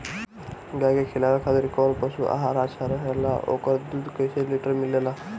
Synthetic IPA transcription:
ɡaɡekʰelaʋakʰat̪əɾikɔlpəsṵʔa̰ɦaɾasaɾəɦala̰ʔo̰kəɾd̪uːd̪kəjseliʈəɾmilela

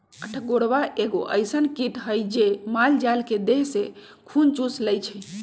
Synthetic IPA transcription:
əʈʰɡoɽbaʔeɡoʔə̰jsənkiʈɦəjd͡ʒemald͡ʒalked̪eɦse | kʰunt͡ʃusləjt͡ʃʰɛ

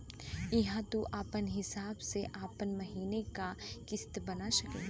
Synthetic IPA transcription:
ɪɦãt̪uʔaːpənɦɪsaːbseʔaːpənmɐɦiːnekakɪst̪bɐnaʃɐkḛː

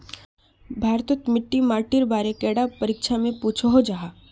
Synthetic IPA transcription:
bʱaːɾt̪ət̪mɪʈːimaːɾʈiɾbaːɾekɛːɽapɐɾikʃamẽpuːt͡ʃʰaɦod͡ʒaɦa

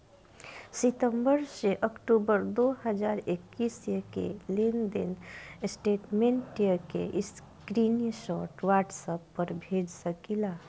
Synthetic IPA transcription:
sɪt̪ə̃mbəɾseʔəkʈubəɾd̪oɦəd͡ʒaːɾekːisjəkḛlend̪ɪnsʈeːʈmẽɳʈijəkḛʔɪs | kɾinʃɔːʈʋaːʈsəpːəɾbʱeːd͡ʒsəkilaː

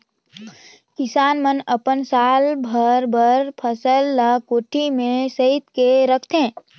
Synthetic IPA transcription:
kɪsaːnmənəpənsaːlbʱəɾbʱəɾpʰəsəlːəkoːʈʰimẽsəɪt̪keɾəkʰt̪ẽː

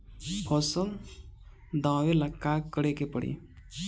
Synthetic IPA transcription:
pʰɔsən | d̪ãːwelɐkːakːəɽekepəɽḭ

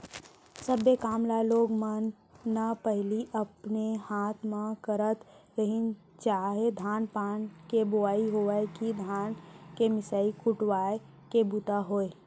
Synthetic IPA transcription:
səbekaːmlaloːɡmənː | apəɦliʔəpnehaːt̪ʰmãkəɾət̪ɾəɦin | t͡ʃaːɦed̪ʱaːnpaːnkeboaːiɦoʋəekid̪ʱaːnkemɪsaikʊʈwaːe | kebʊt̪aɦoːe

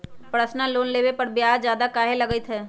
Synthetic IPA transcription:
pɾəsnaloːnleːʋepɐɾbjaːd͡ʒjaːd̪akaːɦelɐɡəit̪ʰɦɛː

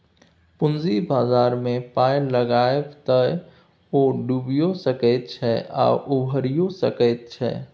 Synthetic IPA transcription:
pʊnzibaːzaːɾmẽpaːjləɡaebt̪ə | oːɖubijosəkəɪt̪̚t͡ʃʰɛa̰ːʔubʱəɾijosə̰kəɪt̪̚t͡ʃʰɛ̰

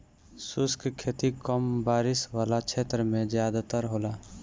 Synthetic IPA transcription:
sʊskkʰeːt̪ikɔmbaːɾɪswaːlat͡ʃʰeːt̪ɾəmẽd͡ʒjaːd̪at̪əɾɦoːlaː

